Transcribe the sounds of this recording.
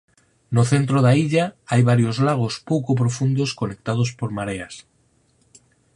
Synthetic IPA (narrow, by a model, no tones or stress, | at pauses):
noθent̪ɾoðaiʎaajβ̞aɾjozlaɣ̞ospokop̬ɾofund̪oskonek̚t̪að̞ospoɾmaɾeas